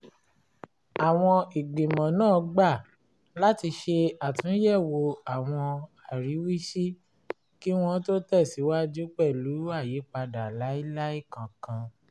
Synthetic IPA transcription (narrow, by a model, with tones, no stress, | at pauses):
a˨w̃ɔ̃˧i˨ɡ͡bĩ˨mɔ̃˨nãː˦˨˧ɡ͡ba˦˨ | la˦ti˧ʃe˧a˨tũ˨˦jɛ˦˨wo˧a˨w̃ɔ̃˧a˨ɾi˨˦wi˦ʃi˦ | ki˦w̃ɔ̃˦to˦tɛ˦˨si˨˦wa˦d͡ʒu˦k͡pɛ˦˨lu˨˦a˦˨ji˨˦k͡pa˧da˨la˨˦i˦la˦i˦˨kã˨kã˧